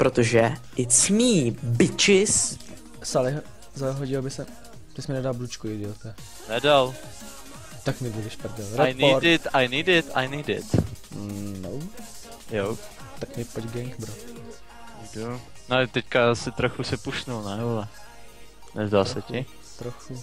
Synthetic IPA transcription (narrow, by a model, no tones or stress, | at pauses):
pɾot̪oʒɛʔɪt͡smiːbɪt͡ʃɪs | salɛɦ | zalɛɦoɟilbɪsɛ | t̪ɪsmɛnɛdalblut͡ʃkuɪdɪlt̪ɛ | nɛdal | t̪akmɪbudɪʃpɾd̪ɛlɾɛajnoɾdɪt̪ajniːdɪt̪a̰jniːdɪ̰t̪ | now | jowt̪akmɪpoɟɡɛŋkbɾot̪ | dunɛt̪ɛckasɪt̪ɾoxusɛpusnulnajulɛ | nɛzdaːsɛcɪ | t̪ɾoxu